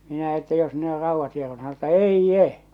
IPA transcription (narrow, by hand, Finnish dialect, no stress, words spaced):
minæ etːæ jos ne or rɑuʋːɑt hiero̥n̥u̥ sɑno etːæ eijːe